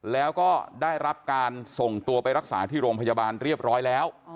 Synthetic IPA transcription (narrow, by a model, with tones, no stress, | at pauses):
lɛː˦˥wkɔː˥˩daː˥˩jɾa˦˥p̚kaː˧nso˨˩ŋt̪u˧ɐpa˧jɾa˦˥k̚sa̰ː˩˦t̪ʰiː˥˩ɾoː˧mpʰa˧jaː˧baː˧nɾi˥˩əp̚ɾɔː˦˥jlɛː˦˥w